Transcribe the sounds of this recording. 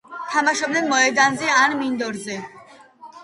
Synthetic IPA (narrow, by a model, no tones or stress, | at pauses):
t̪ʰamaʃɔb̚dnɛnmɔɛd̪anzɛanmind̪ɔɾzɛ